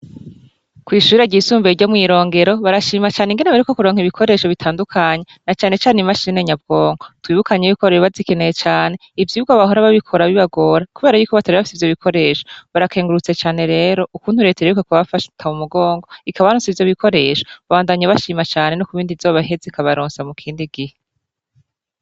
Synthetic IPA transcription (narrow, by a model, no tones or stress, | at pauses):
kwiːʃuːɾeɟisuːmbeɾɟomŋiːɾo̞ːŋɡe̞ɾo̞βaɾaʃiːmat͡ʃaːneŋɡe̞neβaɾikokuɾoːŋiβikʰo̞ɾe̞ːʃo̞βitʰaːndukʰaɲenat͡ʃaːne̞t͡ʃaːnimaʃine̞ɲab̚ɡ̥o̞ːŋɡo̞twiːβukaɲeβikoɾeʃoβazike̞ne̞je̞t͡ʃaːne̞ | ivjiuɡaβaho̞ɾaβaβikʰo̞ɾaβiβaɡo̞ɾakuβeːɾajuːkoβatʰaɾiβafi̥sivjoβikʰo̞ɾe̞ːʃo̥βaɾakʰe̞ːŋɡuɾut͡se̞t͡ʃaːne̞ɾe̞ːɾo̞ʔukuːnhuɾe̞teɾeukekuβafaʃtʰaumuɡoːŋɡo̞ikaβaɾoːnsivjoβikʰo̞ɾe̞ːʃoβaβaːndaɲaβaʃiːmat͡ʃaːne̞nokuβiːndivjoːβaɦezikaβaɾoːnsamukʰiːndiɡihe